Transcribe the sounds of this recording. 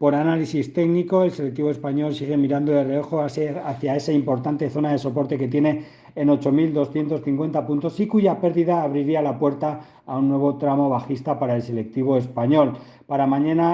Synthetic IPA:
po̞ɾanalisist̪e̞ɣniko̞e̞lse̞lek̚t̪iβo̞e̞spaɲo̞lsiɣ̞e̞miɾand̪oðe̞reo̞xoaθjae̞saimpo̞ɾt̪ant̪e̞θo̞naðe̞so̞po̞ɾt̪e̞ke̞t̪je̞ne̞ː | no̞t͡ʃo̞mild̪o̞sθje̞nt̪o̞sθiŋkwe̞nt̪apunt̪o̞sikuʝape̞ɾðiðaːβɾiɾialapwe̞ɾt̪aː | unːwe̞β̞o̞t̪ɾamo̞β̞axist̪apaɾae̞lse̞le̞k̚t̪iβ̞o̞e̞spaɲo̞l | paɾamãɲãna

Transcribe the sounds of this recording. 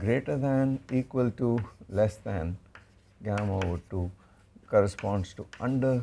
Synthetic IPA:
ɡɾeːʈəd̪æ̃niːkʋəlʈulɛsd̪æ̃n | ɡæmoːʋəʈu | kɔːɾəspɔ̃ːnɖsʈuʌ̃ɳɖəɾ

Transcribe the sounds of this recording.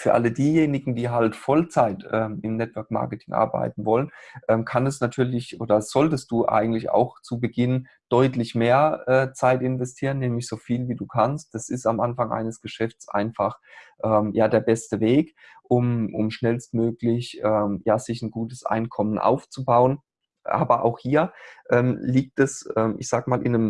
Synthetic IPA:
fyːɐʔa̰lədiːjeːnɪɡŋ̩d̥iːɦaltfɔlt͡saɪtʔɛːmɪmnɛtv̥œɐkma̰ɐkətʰɪŋʔa̰ɐba̰ɪtn̩vɔlənʔɛːmkʰanɛsnatʰyːɐlɪçʔoːdɐz̥ɔltəst̚d̥uːʔa̰ɪɡŋ̩tlɪça̰ʊxt͡subəɡɪn | d̥ɔʏtlɪçmeːɐʔɛːt͡saɪtɪnvɛstʰiːʁənːɛːmlɪçz̥oːfiːlviːduːkʰanst̚d̥asɪstamʔanfaŋʔa̰ɪnəsɡ̥əʃɛft͡sʔa̰ɪnfaχʔɛːmjaːdeːɐbɛstəveːk | ʔʊmʔʊmʃnɛlstmøːklɪçʔɛːmjaːz̥ɪçn̩ɡuːtəsʔa̰ɪnkʰɔmənʔa̰ʊft͡subaʊən | ʔa̰ːbɐʔa̰ʊxhiːɐʔɛːmliːk̚tɛsʔɛːmʔɪçz̥aːɡmaːlʔɪ̰nəm

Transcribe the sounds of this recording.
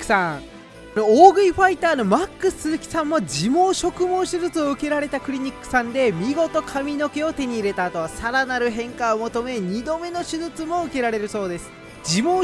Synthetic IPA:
ã | nooːɡɯ̟iɸait̪aːno̞makːɯ̟sɨɨkʲi̥sãmːod͡ʑimo̞ːɕo̞kɯ̟mõ̞ːɕɨzɨt͡sɨo̞ɯ̟ke̞ɾaɾe̞t̪akɯ̟ɾʲiɲ̟ikːɯ̟̥sãnd̪e̞mʲiɡo̞t̪o̞kʰamʲino̞ke̞o̞t̪e̞ɲ̟iːɾe̞t̪aːt̪oβasaɾanaɾɯ̟ɦẽ̞ŋkaomo̞t̪o̞me̞ɲ̟id̪o̞me̞no̞ɕɨzɨt͡sɨmo̞ɯ̟ke̞ɾaɾe̞ɾɯ̟so̞ːd̪e̞sɨ̥ | d͡ʑimoː

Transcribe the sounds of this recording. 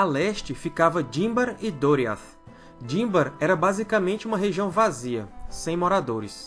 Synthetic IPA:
alɛʃt͡ʃɪfikavɐd͡ʒĩbɐɾɪd̪oɾia̰θ | d͡ʒĩbɐɾɛɾɐbazikamẽnt͡ʃɪũmɐɦeʒiɐ̃w̃vaziɐ̰sẽj̃mɔɾad̪oɾɪs

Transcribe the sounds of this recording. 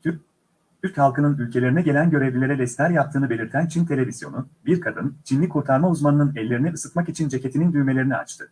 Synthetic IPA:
t̪ʰyɾchalˠkɯnɯnylʲcʰe̞lʲeɾinɛɟe̞lʲænɟø̞ɾevlʲilʲe̞ɾɛd̪ɛst̪ʰæɾjap̚t̪ʰɯːnɯbe̞lʲiɾt̪ʰænt͡ʃʰint̪ʰe̞lʲe̞vizjo̞nubiɾkʰad̪ɯ̰nt͡ʃʰinlːʲikʰuɾt̪ʰaɾmauzmanɯnɯnɛlʲːe̞ɾinɛʔɯsɯt̪makit͡ʃʰind͡ʒe̞cʰet̪ʰinind̪yjme̞lʲe̞ɾinia̰t͡ʃt̪ʰɯ

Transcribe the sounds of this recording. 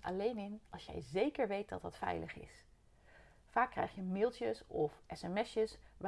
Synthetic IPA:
ɑ̰lejnɪnɑlˠsjɛ̰jzejkəɹʋejt̚dɑt̚ɑtfɛ̰jlʔə̰χɪ̰s | faːkːrɛ̰jχjəmɪlˠtəsɔfʔɛsɛmɛsjəsʋ

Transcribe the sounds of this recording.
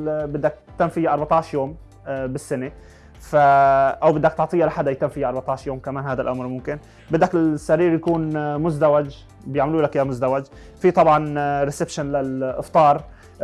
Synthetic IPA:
bɪd̪ːak̚ | t̪ɪmfɪjaʔɑɾˤbɑt̪ˤɑːʕʃjoːm | bɪsːɪne | faʔawbɪd̪ːak̚t̪ʊʕt̪ˤiːjʔalaħad̪ːajt̪ɪmfɪjːaʔɑɾˤbɑt̪ˤɑːʕʃjoːmkamaːnɦaːd̪alʔamɾmʊmkɪn | bɪd̪ːakɪlsːaɾiːɾjakuːnmʊzd̪awad͡ʒ | bjaʕmaluːlakjamʊzd̪awad͡ʒ | fit̪ˤɑbʕɑnɾɪsɪbʃanlalʔɪft̪ˤɑːɾˤ

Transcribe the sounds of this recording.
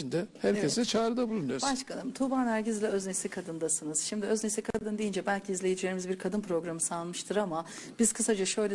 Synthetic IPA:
ind̪ɛhæɾcesɛt͡ʃʰaːɾɯd̪abulˠunujoɾbaʃkʰanɯmt̪ʰubaːnæɾɟizlʲɛøznesikʰad̪ɯnd̪asɯnɯz̥ʃimd̪iøznesikʰad̪ɯnd̪ejind͡ʒɛbælʲcʰiːzlʲe̞jid͡ʒilʲe̞ɾimizbiɾkʰad̪ɯnpɾo̞ɡɾamɯsalˠmɯʃt̪ʰɯɾama | b̥iz̥kʰɯsad͡ʒaʃø̞jlʲɛ

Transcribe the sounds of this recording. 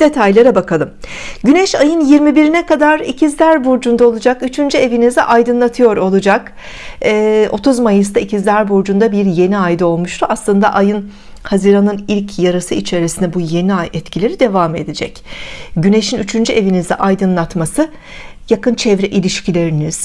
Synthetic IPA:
d̪̥e̞t̪ʰajlˠaɾabakʰalˠɯmɟynɛʃajɯnjiɾmibiɾinɛkad̪aɾicʰizlʲæɾbuɾd͡ʒund̪ao̞lˠud͡ʒakyt͡ʃʰynd͡ʒye̞vinizd̪ɛ̰ʔajd̪ɯnlˠat̪ʰɯjo̞ɾo̞lˠud͡ʒakː | o̞t̪ʰuzmajɯs̬t̪ʰaicʰizlʲæɾbuɾd͡ʒund̪abiɾje̞niajd̪io̞lˠmuʃt̪ʰuaslˠɯnd̪aʔajɯn | haziɾanɯnilʲcʰjaɾɯsɯit͡ʃʰe̞ɾisind̪ɛbuje̞niajɛt̪cʰilʲe̞ɾid̪e̞vaːme̞̰d̪ed͡ʒɛ̰cɟyne̞ʃinyt͡ʃʰynd͡ʒyʔe̞vinizd̪ɛ̰ʔajd̪ɯnlˠat̪masɯ | jakɯnt͡ʃʰɛvɾɛʔilʲiʃcʰilʲe̞ɾiniz̥

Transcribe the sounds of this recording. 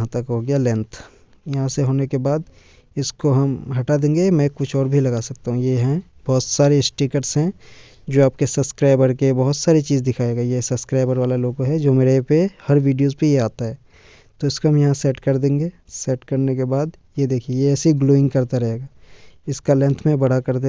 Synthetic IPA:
ɦãt̪ɐkɦoːɡjalɛ̃nt̪ʰ | jɐɦãseɦoːnekebaːd̪ | ɪskoɦɐmɦɐʈad̪ẽːŋɡemɛ̃kʊt͡ʃʰɔːɾbʱilɐɡasɐk̚t̪aɦũjeɦɛ̃ | b̥ɔɦʊt̪saːɾeɪsʈikəʈsɦɛ̃ | d͡ʒoːaːp̚kesɐbskɾaːɪbəɾkebɐɦʊt̪saːɾit͡ʃiːzd̪ɪkʰaːeːɡaːjesɐbskɾaːɪbəɾʋaːlaloːɡɦɛd͡ʒoːmeːɾepehɐɾʋiːɖijoːzpejeaːt̪aɦɛː | t̪oɪskoɦɐmjɐɦãsɛːʈkɐɾd̪ẽːŋɡeː | sɛːʈkɐɾnekebaːd̪jed̪eːkʰiejeɛːsiɡloːɪ̃ŋɡkɐɾt̪aɾɐɦeːɡaːɪskalɛ̃nt̪ʰmẽbɐɽ̤akɐɾd̪e

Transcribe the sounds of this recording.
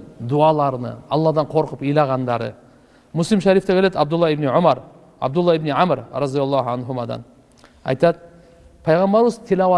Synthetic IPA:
d̪uɑlˠɑɾnə̰ɑ̰lˠːɑd̪ɑɴqʰo̞ɾqəpijlˠɑʁɑnd̪ɑɾə̰ | mʊslˠimʃæɾift̪ekʰʲeled̪ɑb̚d̪ʊlˠːɑɪbniʕʊmɑɾ | ɑ̰b̚d̪ʊlˠːɑɪbniʕamɾɾɑd̪ijɑlˠːɑɦʕanɦumɑd̪ɑ̰n | ɑ̰jt̪ɑt̪ | pʰɑjʁɑmbɑɾwəzt̪ʰilawɑ

